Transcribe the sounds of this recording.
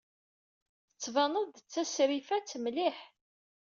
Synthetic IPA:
θθət͡sːvɑnəðt͡sːæsɾifæt͡sːmliħ

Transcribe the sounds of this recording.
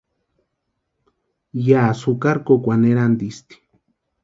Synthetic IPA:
jaːsukaɾkokʷaneɾand̪ist̪i̥

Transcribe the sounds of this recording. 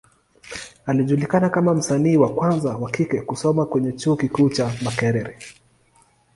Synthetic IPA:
aliʄulikanakamam̩saniːwakwanzawakikɛkusɔmakwɛɲɛt͡ʃuːkikuːt͡ʃamakɛɾɛɾɛ

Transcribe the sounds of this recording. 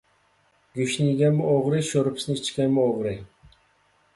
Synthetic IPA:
ɡʲʊʃniɡʲamɪoʁɾɪʃoɾpsnɪt͡ʃkʲanmɪoʁɾi

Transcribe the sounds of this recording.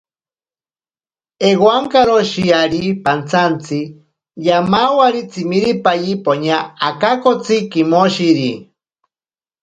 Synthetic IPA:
eɣwaŋkaɾoʃiaɾipant͡sʰant͡sʰi | jamawaɾit͡sʰimiɾipajipoɲaakakot͡sʰikimoʃiɾi

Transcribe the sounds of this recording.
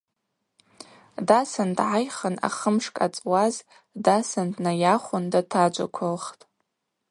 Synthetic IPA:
dasandʕajχəna̰χəmʂkʼa̰t͡sʼwaz | dasandnajaχʷʊndatʰad͡ʒʷa̰kʷʰalχtʼ

